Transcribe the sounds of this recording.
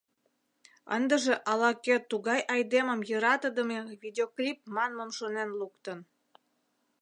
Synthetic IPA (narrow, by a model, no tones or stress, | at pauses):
ə̰nd̪əʒĕʔɑlɑkøt̪ːuɣɑjʔɑjd̪eməmjəɾɑt̪əd̪əmevʲid̪ʲeoklʲip̚mɑnməmʃonenlukt̪ən